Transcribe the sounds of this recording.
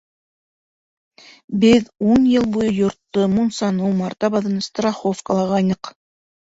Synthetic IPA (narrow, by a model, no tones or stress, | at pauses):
bɘðunjɤlˠbujɤjŏɾt̪ːomunsɑnɤwmɑɾt̪ɑbɑðɤnst̪raχofkəlˠɑʁɑjnɤq